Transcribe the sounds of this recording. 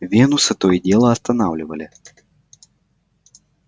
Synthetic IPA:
vʲɛnusɐt̪ɔjidʲɛlˠɐɐst̪ɐnawlʲɪvɐlʲɪ

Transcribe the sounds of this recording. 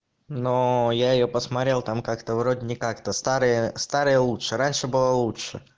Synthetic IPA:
nojaɪjopəsmɐt̪ɾʲelˠt̪amkakt̪əvɾodʲɪnʲɪkakt̪əst̪aɾɨjəst̪aɾɨjəlˠutʂɨɾanʲʂɨbɨlˠəlˠutʂɨ

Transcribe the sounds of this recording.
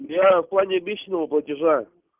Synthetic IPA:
mjafplˠanʲɪɐbʲit͡ɕnəvəplˠətʲɪʐa

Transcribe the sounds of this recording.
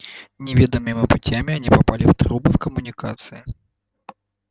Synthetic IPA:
nʲɪvʲed̪əmɨmʲɪputʲamʲɪanʲipapalʲɪft̪ɾubɨfkəmʊnʲikat̪sɨi

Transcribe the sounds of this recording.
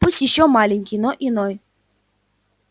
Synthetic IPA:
pusʲtʲjɪɕːɔmalʲɪnʲkʲijnoʔinɔj

